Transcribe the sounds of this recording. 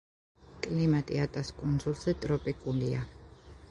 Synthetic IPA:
kʼlimat̪ʼiat̪ʼaskʼund̪zulˠz̥ɛt̪ʼɾɔpʼikʼulia

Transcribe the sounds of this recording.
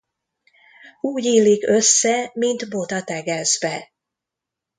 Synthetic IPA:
uːɟiːlikø̞sːɛmint̪bo̞t̪ɒt̪ɛɡɛzbɛ

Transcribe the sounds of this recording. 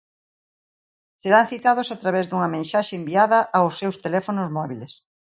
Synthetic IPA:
seɾanθit̪aðʊsat̪ɾaβɛzðuŋɐmẽnʃaʃeːmbiaðɐʔaʊsːewst̪elɛfonozmɔβiles

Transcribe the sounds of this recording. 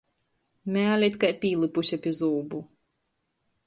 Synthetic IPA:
mʲɛalʲɛt̪ʲkajpʲiːlˠɨpuʃʲɛpʲizuːbu

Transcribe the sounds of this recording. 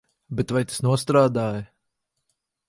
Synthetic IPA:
bɛt̪vajt̪ḁsnuɔst̪ɾaːd̪aːjɐ

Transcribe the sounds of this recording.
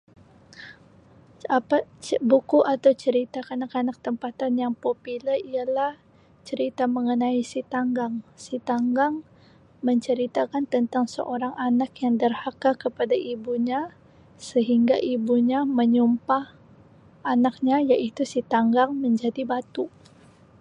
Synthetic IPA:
apabukuʔat̪awt͡ʃəɾit̪akanakanak̚t̪əmpat̪anjaŋpopilərialah | t͡ʃəɾit̪aməŋənaisit̪aŋɡaŋsit̪aŋɡaŋ | məɲt͡ʃəɾit̪akant̪ənt̪aŋsə̰ʔoɾaŋʔanakjaŋdərhakakəpadaʔibuɲa | səɦiŋɡaʔibuɲaməɲumpah | anak̚ɲajaʔit̪usit̪aŋɡaŋməɲd͡ʒadibat̪u

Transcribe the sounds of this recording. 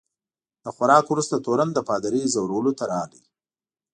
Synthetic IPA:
d̪̥əxwaɾɑːkwɾust̪at̪oɾand̪əpɑd̪aɾizawɾawlot̪aɾɑli

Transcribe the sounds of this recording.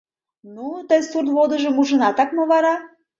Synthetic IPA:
nut̪əjsurt̪vod̪ə̆ʒə̆muʒə̆nɑt̪ɑkmoβɑɾɑ

